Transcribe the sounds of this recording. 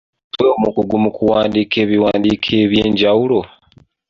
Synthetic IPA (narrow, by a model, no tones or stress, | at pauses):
tweomukuɡumukuwaːndiːkʰe̞ːβiwaːndiːkʰeːβjeːɲɟawulo̞